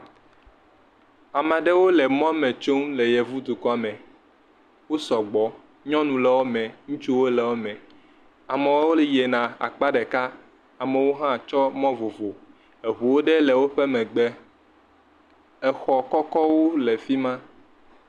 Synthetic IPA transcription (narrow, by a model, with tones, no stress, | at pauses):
a˨mã˨ɖe˦wo˦lɛ˨mɔ̃˦mɛ̃˨t͡ʃo˦ŋle˨jɛ˨vu˦d̪u˨kɔ˦a˨mɛ̃˨ | wo˦sɔ˨ɡ͡bɔ˨˦ | ɲɔ̃˦nũ˨lɛ˨wo˦mɛ̃˨ŋũ˦t͡ʃu˦wo˦lɛ˨wo˦mɛ̃˨ | a˨mẽ˨wo˦wo˦le˦je˨nã˨a̰˨k͡pa˦ɖɛ˨ka˦ | a˨mɛ˨wo˦ɦã˦˨t͡ʃɔ˦mɔ̃˦vo˨vo˨ | e˨ɦu˨wo˦ɖe˦lɛ˨wo˦ɸɛ˦mɛ̃˨ɡ͡bɛ˦ | ɛ˨xɔ˨kɔ˦kɔ˦wo˦le˨fi˦mã˦